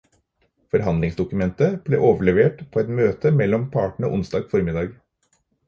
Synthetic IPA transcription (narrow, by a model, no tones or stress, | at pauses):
fɔɾɦɑnd̪lɪŋsd̪ʊkʉmɛnt̪əb̥lḛːʔoːʋəɭɛʋeːʈpʰoːɛt̪møːt̪əmɛlːɔmpʰɑːʈɳ̩əʔʊnsd̪ɑːɡfɔɾmɪd̪ɑːɡ